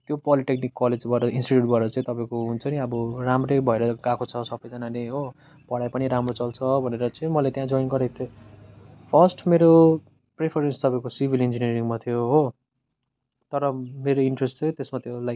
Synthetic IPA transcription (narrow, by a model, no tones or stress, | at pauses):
t̪jopʌliʈeknikːʌled͡zbʱʌeɾʌinsʈiʈjuʈ̚bʱʌeɾʌt͡saĩt̪ʌpaĩkoɦunt͡sʰʌniʌbʌramrebʱʌeɾʌɡãkot͡sʰʌsʌbʌjd͡zʌnaneɦo | pʌɽajpʌniɾamrot͡sʌlt͡sʰʌbʱʌneɾʌt͡sʌĩmʌlet̪jãd͡zoinɡʌɾet̪ʰo | pʰʌsʈmeɾo | prepʰʌɾenst̪ʌpaĩkosibʱilind͡ziniʌɾiŋmat̪ʰijoɦo | t̪ʌɾʌmeɾoiɳʈresʈt͡sʌ̃ĩt̪esmat̪jolaj